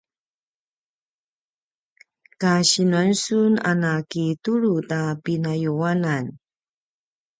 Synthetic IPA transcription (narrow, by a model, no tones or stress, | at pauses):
kaɕinuansuna̰nakituɻutapinajuwalan